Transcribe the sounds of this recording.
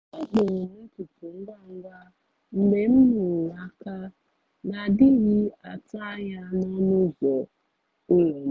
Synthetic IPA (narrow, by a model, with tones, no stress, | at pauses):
a˦ɦe˨nu˦tu˨pu˨ŋ̩˦ɡa˦ŋ̩˦ɡʷa˦ | ŋ͡m̩˦ɡ͡be˦m̩˦nu˨ŋʷa˦ka˦ | na˨dɪ˦ɣi˦a˨ta˦ja˦nɔ˦nʊ˦zɔ˨ | ʊ˦lo˨˦